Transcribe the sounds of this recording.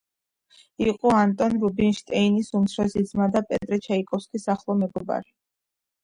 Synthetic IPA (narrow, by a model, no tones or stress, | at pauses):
iqʼɔant̪ʼɔnɾubinʃt̪ʼɛinisumt̪sʰɾazid̪zmad̪apʼɛt̪ʼɾɛt͡ʃʰaikʼɔfskʼisaχlˠɔmɛɡɔba̰ɾi